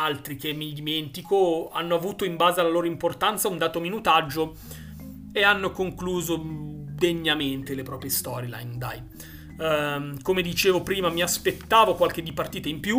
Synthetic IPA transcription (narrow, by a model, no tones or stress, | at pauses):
alt̪ɾikemːid̪iment̪ikoa̰nːoavuːt̪oimbaːzealaloːɾoimport̪ant̪saund̪aːt̪ominut̪ad͡ʒːo | eanːokoŋkluːzod̪eɲːament̪elepɾɔːpɾjest̪ɔːɾjela̰nd̪a̰j | komed̪it͡ʃeːvopɾiːmamiaspet̪ːaːvokwalk̟ed̪ipart̪iːt̪aimpju